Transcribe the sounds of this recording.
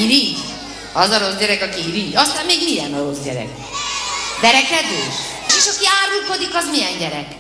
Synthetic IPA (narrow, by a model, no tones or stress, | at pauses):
iɾiː | ɒzɒɾo̞zɟɛɾɛkɒkiiɾijɒst̪aːmːeːɡmijɛnɒɾo̞zɟɛ̰ɾɛ̰k | bɛɾɛkɛd̪øːʃ | eːʃɒkiaːɾulko̞d̪ikɒzmijɛɲɟɛɾɛk